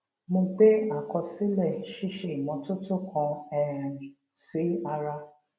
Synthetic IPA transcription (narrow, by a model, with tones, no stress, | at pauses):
mõ˧ɡ͡be˦a˦˨kɔ˧si˦lɛ˦˨ʃi˦ʃe˧˨i˨mɔ̃˨˧˦to˦tʰo˦˨kʰɔ̃˧ɛ˨ɾĩ˨ | si˨˦a˧ɾa˧